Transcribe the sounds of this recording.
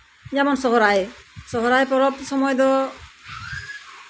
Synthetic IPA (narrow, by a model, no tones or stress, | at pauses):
d͡ʒamɔnsɔɦɔɾajesɔɦɔɾajpɔɾɔpsɔmɔjd̪ɔ